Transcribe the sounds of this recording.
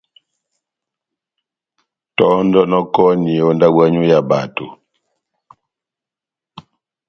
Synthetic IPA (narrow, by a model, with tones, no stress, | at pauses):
tɔ˦ndɔ˦nɔ˦kɔ˦ni˨o˦nda˦ɡwa˦ɲu˦ja˨ba˨tu˨